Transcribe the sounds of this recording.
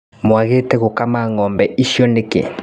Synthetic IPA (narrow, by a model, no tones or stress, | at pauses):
mwaɣetɛɣokamaŋɔmbɛiʃɔnekḛ